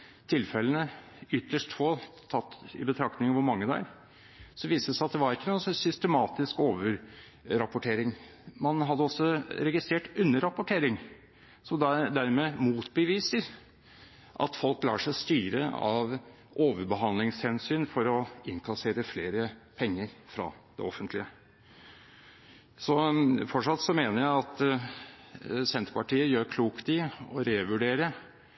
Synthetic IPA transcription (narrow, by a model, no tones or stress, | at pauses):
t̪ʰɪlfɛlənə | ʏt̪ʰːəʂʈfoːt̪ʰɑt̪ːɪ̰bət̪ʰɾɑkt̪ɪŋəʋʊɾmɑŋːəd̪ɛæ̰ɾ | sɔʋiːsəsæɑt̪̚d̪ɛʋɑɾɪkːənuːənsɔsʏst̪əmɑːt̪ɪskoːʋəɾ | ɾɑpʊʈʰeːɾɪŋ | mɑnɦɑd̪ːəɔsːɔɾɛɡɪst̪ɾeːʈʉnːəɾɑpʊʈʰeːɾɪŋ | sɔd̪æd̪æɾmɛmuːt̪bəʋiːsəɾ | ʔɑ̰t̪fɔlklɑ̰ːʂæɪst̪yːɾə̰ɑ̰ʋ | ʔoːʋəɾbəɦɑnlɪŋshɛnsyːnfɔɾɔɪŋkʰɑseːɾəfleːɾəpʰɛŋːəɾfɾɑ̰ːd̪ɛ̰ɔfːənt̪ʰlɪə | sɔfɔʈʂɑt̪sɔmeːnəɾjæɪɑt̪ | sɛnt̪ɾəpɑʈiːəjøːɾkʰluːkt̪ɪɔɾeːʋʉɖeːɾə